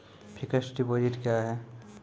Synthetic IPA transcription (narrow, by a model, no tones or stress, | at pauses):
pʰɪkəʃɖipoːd͡ʒɪʈkjaɦɛː